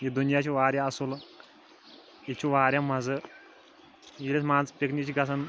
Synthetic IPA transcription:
jid̪unijat͡ɕiʋaɾjãəsul | jit͡ɕiʋaɾʲjãmad͡zə | jilesmad͡zpeknikt͡ɕiɡasan

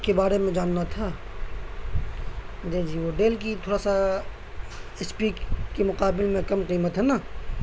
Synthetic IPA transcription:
kebaːɾemẽd͡ʒaːnːat̪ʰa | d̪eːd͡ʒiːʋoɖeːlk̬it̪ʰoːɽasa | ɪspiːkkːemʊqaːbɪlmẽkɐmqiːmət̪ɦɛnaː

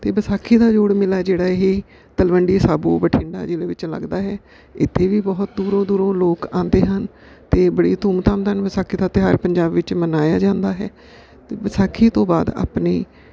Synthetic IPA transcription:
t̪eːbəsaːkʰiːd̪aːd͡ʒoːɽmɪlaːd͡ʒeːɽaːɦiː | t̪əlʋəɳɖiːsaːboːbəʈʰɪ̃ɳɖa̰ːd͡ʒeːɽeːʋɪt͡ʃlə̰ɡd̪aːɦɛː | ɪt̪ʰːeːʋiːbɔːt̪̚d̪uːɾõːd̪uːɾõːloːkãːnd̪eːɦən | t̪eːbəɽḭːt̪uːmt̪aːmd̪ənbəsaːkʰːiːd̪aːt̪eɦaːɾpəɲd͡ʒaːbʋɪt͡ʃmənaːjaːd͡ʒãːnd̪aːɦɛ̰ː | t̪eːbəsaːkʰiːt̪õːbaːd̪a̰ːpniː

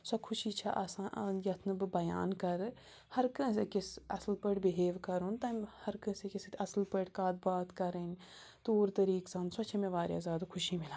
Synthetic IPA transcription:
sɐkʰʊʃiːt͡ʃʰaʔasaːnʔnjɐt̪ʰnɨbɨbɐja̰ːnkɐɾɨ | hɐɾkɐ̃s̬ekʲisɐslpəʈbiɦeːʋkɐɾunt̪ɐmʲhɐɾkə̃sekisɨt̪ʰʲɐslpəʈkaːd̪̚baːt̪kɐɾənʲ | t̪oːɾt̪ɐɾiːksaːnsɔt͡ʃʰɐmẽʋaːɾʲja̰ːzʲjaːd̪akʰuʃiːmilaː

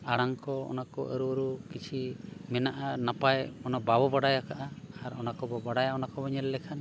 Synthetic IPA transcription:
aɽaŋkɔɔ̰nakɔʔə̰ɾuəɾukit͡ʃʰimɛnaʔanapajɔnɔbabɔbaɽajakaʔaaɾɔnakɔbɔbaɽajaɔnakɔbɔɲɛlːɛkʰan

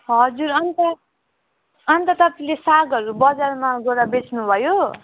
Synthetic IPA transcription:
ɦʌd͡zuɾʌnt̪ʌ | ʌnt̪ʌt̪ʌpalesaɡʌɾubʌd͡zarmaɡʌɾabet͡sʰnubʱʌjo

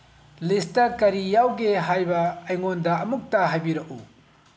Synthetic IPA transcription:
listɐkɐɾijawɡeɦajbɐːjŋondɐɐmuk̚tɐɦajbiɾɐʔu

